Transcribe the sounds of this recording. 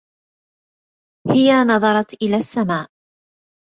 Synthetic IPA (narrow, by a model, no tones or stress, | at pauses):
hɪjanɑðˤɑɾˤɑt̪ʔɪlaːsːamaːʔ